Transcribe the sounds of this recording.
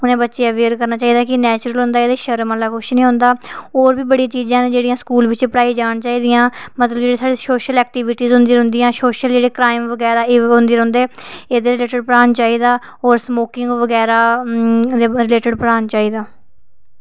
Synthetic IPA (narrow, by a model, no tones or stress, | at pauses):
ʊnẽːbət̪ːʃeːəʋeːɾkəɾnaːt͡ʃaːiːd̪aːkɪnɛːt͡ʃɾəlɦʊ̃nd̪aːeːd̪eːʃəɾməlaːkʊʃnĩːɦʊ̃nd̪aːoːɾbiːbəɽĩːt͡ʃiːzãːd͡ʒeːɽijãːskuːlʋɪt͡ʃpəɽaːiːd͡ʒaːɽt͡ʃaːiːd̪ɪjãːmət̪ləbd͡ʒeːɽeːsaːɽeːsoːʃəlɛːk̚ʈiːʋɪʈiːzɦʊ̃nd̪iːɾɦʊ̃nd̪ijãːsoːʃəld͡ʒeːɽeːkɾaːɪmʋəɡɛːɾaːɦʊ̃nd̪iːɾɦʊ̃nd̪eːeːd̪eːɾɪleːʈɪɖ̚pəɽaːnt͡ʃaːiːd̪aː | ɔːɾsmoːkɪ̃ŋɡʋəɡɛːɾaː | eɾɪleːʈɪɖpəɽaːnt͡ʃaːiːd̪aː